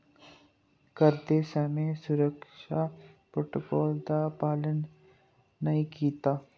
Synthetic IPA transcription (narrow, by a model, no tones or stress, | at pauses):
kəɾd̪esəmẽsʊɾəkʃapɾoːʈokɔːld̪apaːlənː | ɐĩkiːt̪aː